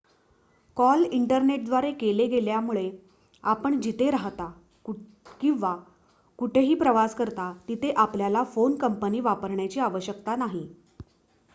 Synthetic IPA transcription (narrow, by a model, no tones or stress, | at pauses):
kɔliɳʈəɾneʈ̚d̪ʋaɾekeleɡeljamuɭe | apəɳd͡ʑit̪eɾaɦt̪a | kĩʋa | kuʈʰeɦiːpɾəʋaskəɾt̪at̪it̪ʰeʔapljalafonkəmpəniːʋapəɾɳjat͡ɕiːaʋəɕəkt̪anaɦi